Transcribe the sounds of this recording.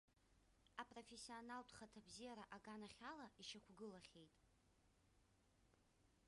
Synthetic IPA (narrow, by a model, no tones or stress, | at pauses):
apʼro̞fesːionaltʼχatʰabzijaɾaʔaɡanaχʲalaʔiʃakʷʰɡɨlaχʲejtʼ